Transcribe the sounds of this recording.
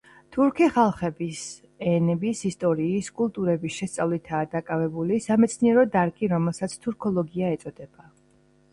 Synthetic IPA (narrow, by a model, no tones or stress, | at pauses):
t̪ʰuɾkʰiχalˠχɛbis | ɛnɛbisist̪ʼɔɾiːskʼulˠt̪ʼuɾɛbisʃɛst̪sʼavlit̪ʰaːd̪akʼavɛbulisamɛt̪sʰniɛɾɔd̪aɾkʼiɾɔmɛlˠsat̪sʰt̪ʰuɾkʰɔlˠɔɡiaɛt̪sʼɔd̪̥ɛb̥a